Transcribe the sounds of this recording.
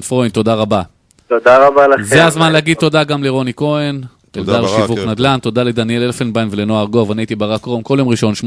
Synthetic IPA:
fʁoint̪o̞d̪aʁaba | t̪od̪aʁabalazeazmanleaɡid̪̚t̪ːo̞d̪aɡamleʁo̞niko̞en | elddaʁʃivuknad̪lant̪o̞d̪aled̪anjelelfenbajnvelenoaʁɡoavanejt̪ibaʁakʁomkoljomʁiʃo̞nʃm

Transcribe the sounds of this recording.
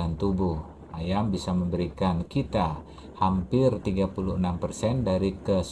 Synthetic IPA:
ant̪ubuh | ʔajambisaməmbəɾikankit̪a | hampɪrt̪iɡapuluhənampərsɛndaɾikəs

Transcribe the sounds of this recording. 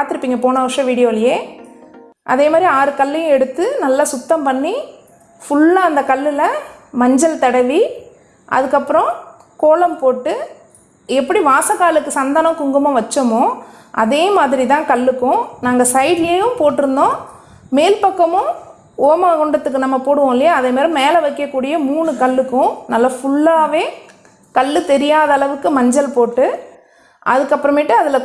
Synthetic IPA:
paːɾt̪ːɪɾɯpːiːŋɡɐpoːnɐʋɐʂɐ̃ʋiːɽɪjoːljeː | ʔɐ̰ðeːmaːd̪ɾiaːɾɯkɐlːɪjʊ̃ɛɽɯt̪ːɯnɐlːasʊt̪ːɐmpɐɳːi | fʊɭːaɐnd̪ɐkɐlːɪlɐmɐɲd͡ʒɐlt̪ɐɽɐʋi | ʔɐ̰ðɯkːɐpːɯɾɔ̃ | koːlɐmpoːʈːɯ | ɛpːɐɽiʋaːsɐkːaːlɯkːɯsɐnd̪ɐnɐ̃mkʊŋɡɐmʊ̃ʋɐt͡ʃːɐmʊ̃ʔɐðeːmaːðɪɾit̪̬ãːkɐlːɯkːʊ̃naːŋɡɐsɐɪɾjeːjɯmpoːʈːɪɾɯnd̪õː | meːlpɐkːɐmʊ̃ | oːmaːkɔɳɖɐt̪ːɯkːɯnɐmːɐpoːɽɯʋõːɪlːɪjɐːðemɐːɾɯ̃meːlɐʋɛɪkːɐkːuːɽɪjɐmuːɳɯkɐɭːɯkːʊ̃nɐlːɐfʊɭːaːʋeː | kɐɭːɯt̪ɛɾɪjaːðɐːlɐʋɯkːɯmɐɲd͡ʒɐlpoːʈːɯ | ʔɐðɯkːɐpːɯɾɐmɪʈːɯɐðɪlɐ

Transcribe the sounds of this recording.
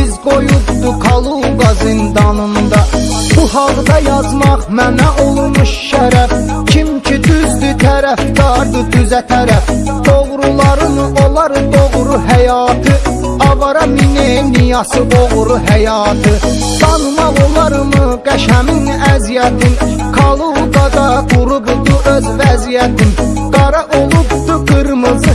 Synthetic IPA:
izɡo̞judd̪ukʰɑlˠuɡɑzɯnd̪ɑnɯnd̪ɑ | b̥uɦɑlˠd̪ɑjɑzmɑʁmænæʔolˠmuʃʃæɾæf | cʰimcʰid̪yzd̪yt̪ʰæɾæfd̪ɑɾd̪ɯd̪yzæt̪ʰæɾæf | d̪̥oʁɾulˠɑɾɯnɯʔo̞lˠɑɾɯd̪o̞ʁɾuɦæjɑːt̪ʰɯ | ɑbɑɾɑminenijɑsɯʔoɣɾuɦæjɑːt̪ʰɯ | d̪̥ɑnumɑʁolˠɑɾɯmɯɡæʃæminæzijæt̪ʰin | kʰɑlˠuɡ̪ɑd̪ɑɡuɾubd̪uʔøzvæzijæt̪ʰin | ɡ̥ɑɾɑʔolˠubd̪uɡɯɾmɯzɯ

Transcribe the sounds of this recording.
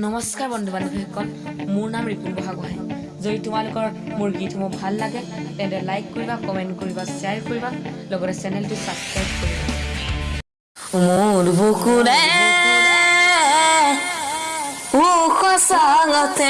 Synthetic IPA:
nɔmɔskaɹbɔndʱubanibʰiɛkʰːɔn | mʊɹnamɹipʰulbɔɦakɔɦaj | zoditʊmalʊkɔɹ | mʊɹɡitʰumɔbʱalːaɡɛ | tɛ̃tɛlajkːoɹibakɔmɛntkoɹibaseaɹkoɹibalɔɡɔtɛsɛnɛltʊsabskɹajp̚koɹiba | mudbukunɛ | ukʰɔsaŋɔtʰɛ

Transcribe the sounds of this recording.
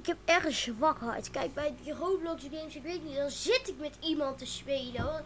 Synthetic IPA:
ɪkɦɛp̚ɛrχəszʋɑkɦɛ̰jtkɛjk̚bɛjdirowblɔksɡejmsɪkʋetətnitdɑnzɪtɪkmɛtimɑntəspeːlə

